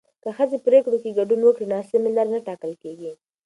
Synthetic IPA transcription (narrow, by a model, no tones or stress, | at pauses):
kəxəzepɾekɽokeɡaɖunwəkɽinɑsɪmɪlaɾnaʈɑkəlkeɡi